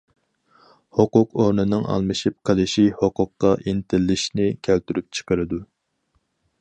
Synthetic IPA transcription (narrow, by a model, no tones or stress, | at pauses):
hoqʊqoɾnɨnɨŋʔɑ̰lˠmɨʃip̚qʰəlɨʃihoqʊqːɑʔint̪ʰɪlːɪʃnɪkʲʰælt̪yɾyp̚t͡ʃʰə̥qəɾɨd̪u